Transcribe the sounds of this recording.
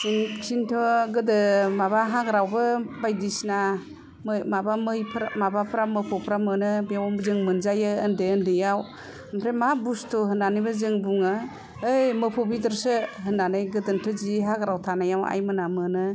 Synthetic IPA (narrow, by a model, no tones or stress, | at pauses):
inkʰintʰɔɡɯdɯmabaɦaɡɾawbɯbajdisna | mmabamɯjpʰɾamabapʰɾamɯpʰɔpʰɾamɯnɯbawɔmbzɯŋmɯnzajɯəndeəndɯjaw | ampʰɾemabustʰɔɦɯnanibazɯŋbuŋɯː | jmɯpʰɔbidɯɾsɯɦɯnːanajɡɯdɯntʰɔziɦaɡɾawtʰanajawa̰jmɯnamɯnɯ